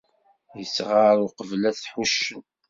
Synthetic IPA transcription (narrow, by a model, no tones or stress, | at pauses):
jəsʁaɾʊqəvlæθħuʃːəm